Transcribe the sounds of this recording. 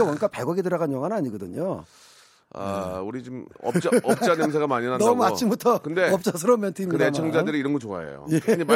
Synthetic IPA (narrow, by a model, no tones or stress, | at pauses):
awʌnk͈apeɡʌɡidɯɾaɣanjʌŋɦanaɲiɡʌdɯɲo | a̰uɾit͡ɕumʌpt͡ɕaʌp̚t͡ɕanemsʰeɣamaɲinɦanʌɡmuat͡ɕʰimbutʰʌkɯnde̞ʌp̚t͡ɕ͈as̬ʰɯɾʌmʌntʰimːdaemt͡ɕʰʌŋd͡ʑandɯɾiiɾʌnɡʌt͡ɕoa̰ḛjo̰jee